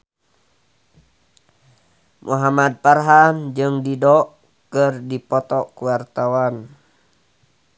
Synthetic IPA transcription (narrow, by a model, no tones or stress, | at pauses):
mʔuɦamad̪̚parɦand͡ʒɨŋdidɔʔ | kɨrdipɔt̪ɔʔkuwart̪awan